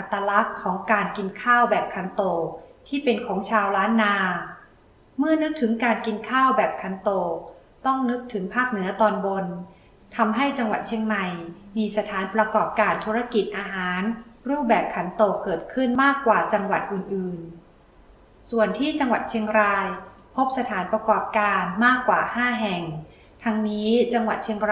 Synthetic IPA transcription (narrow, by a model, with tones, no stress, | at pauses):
ʔa˨˧˩t̪ːaː˧la˦˥kʰːɔː˩˦ŋkaː˧nki˧nkʰaː˥˩wbɛː˨˩p̚kʰa˧˦nt̪oː˨˩t̪ʰiː˥˩pe˧nkʰɔː˩˦ŋt͡ɕʰaː˧wɾaː˦˥nːaː˧ | mɯ˥˩ɐnɯ˦˥k̚t̪ʰɯ˩˦ŋkaː˧nki˧nkʰaː˥˩wbɛː˨˩p̚kʰa˧˦nt̪oː˧˨˩ | t̪ɔ˥˩ŋnɯ˦˥k̚t̪ʰɯ˩˦ŋpʰaː˥˩k̚nɯ˩˦ɐt̪ɔː˧nbo˧n | t̪ʰa˧mɦa˥˩jt͡ɕa˧ŋwa˨˩t̪̚t͡ɕʰi˧əŋma˨˩jmiː˧sa˧t̪ʰaː˩˦npɾa˧kɔː˨˩p̚kaː˧nt̪ʰuː˦˥ɾa˧˥ki˨˩t̪̚ʔaː˧ɦaː˩˦nɾuː˥˩p̚bɛː˨˩p̚kʰa˩˦nt̪oː˨˩kːɤː˨˩t̪̚kʰɯ˥˩nmaː˥˩kːwaː˨˩t͡ɕa˧ŋwa˨˩t̪̚ʔɯː˨˩nʔɯː˨˩n | su˨˩ənt̪ʰiː˥˩t͡ɕa˧ŋwa˨˩t̪̚t͡ɕʰi˧əŋɾaː˧j | pʰo˦˥p̚sa˧t̪ʰaː˩˦npɾa˧kɔː˨˩p̚kaː˧nmaː˥˩kːwa̰ː˨˩haː˥˩ɦɛ˨˩ŋ | t̪ʰa˧ŋniː˦˥t͡ɕa˧ŋwa̰˨˩t̪̚t͡ɕʰi˧əŋ